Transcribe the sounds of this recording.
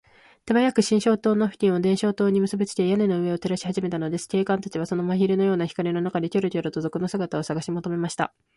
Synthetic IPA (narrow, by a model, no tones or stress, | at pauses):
t̪e̞bajakɯ̟ɕĩɰ̃ɕo̞ːt̪oːno̞ɸɯ̟tʲĩɰ̃od̪ẽɰ̃ɕo̞ːt̪o̞ːɲ̟imɯ̟sɨbit͡sɨ̥t̪ejane̞no̞ɯ̟e̞o̞t̪e̞ɾaɕi̥haʑime̞t̪ano̞d̪e̞sɨ̥kʲe̞ːkãnt̪at͡ɕiβ̞aso̞no̞maçiɾɯno̞jo̞ːnaçʲi̥kaɾʲino̞nakad̪e̞kʲoɾɯ̟t̪oɾɯ̟t̪o̞zo̞kɯ̟no̞sɨɡat̪ao̞saɡaɕimo̞t̪o̞me̞maɕi̥t̪a̰